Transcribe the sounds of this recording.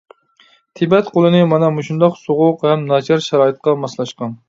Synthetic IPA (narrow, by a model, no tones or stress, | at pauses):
t̪ʰibɛt̪qolˠɨnɨmɑnɑmuʃund̪ɑqsoʁʊqhɛmnɑt͡ʃʰɑɾʃɑɾɑːɨt̪̚qɑmɑslˠɑʃqɑn